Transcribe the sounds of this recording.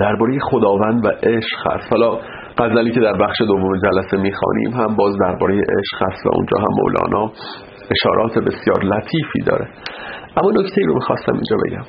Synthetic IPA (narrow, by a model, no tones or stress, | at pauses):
d̪̥æɾbɒːɾe̞jexo̞d̪ɒːvænd̪væʔeʃhæ̰st̪hɒːlɒː | ɢ̥æzæliːcʰe̞d̪æɾbæxʃe̞d̪ovːome̞d͡ʒælæse̞miːxɒ̰ːnḭːmɦæmbɒːzd̪æɾbɒːɾe̞jeʔeʃɣ̥hæst̪væ̰ʔṵnd͡ʒɒ̰ːɦæ̰mːo̰wlɒ̰ːnʔɒː | e̞ʃɒ̰ːɾʔɒːt̪ʰe̞be̞sjɒːɾlæt̪ʰiːfḭːd̪ɒ̰ːɾeʔæmːɒːno̞ct̪ʰeiːɾo̞mixɒːst̪æmʔḭnd͡ʒɒːbe̞̰ɟæ̰m